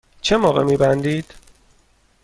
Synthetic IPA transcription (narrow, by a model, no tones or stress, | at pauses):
t͡ʃʰemɒːɣemiːbænd̪iːd̪̥